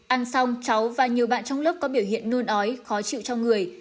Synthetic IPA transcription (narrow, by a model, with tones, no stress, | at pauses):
ʔa˧nsa˧wŋ͡mt͡ɕa˨˦wvaː˨˩ɲi˨˩əwɓa̰ː˧˨nt͡ɕɔ˧wŋ͡mlə˦˥p̚kɔ˨˦ɓi˧˩əwɦḭ˧˨ənːu˧nʔɔ˨˦jxɔ˨˦t͡ɕḭ˧˨wt͡ɕɔ˧wŋ͡mŋɨ˨˩əj